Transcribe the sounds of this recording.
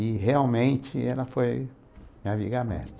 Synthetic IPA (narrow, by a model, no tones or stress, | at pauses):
ɪheawmẽnt͡ʃɪɛlɐfoj | aviɡamɛ̰t̪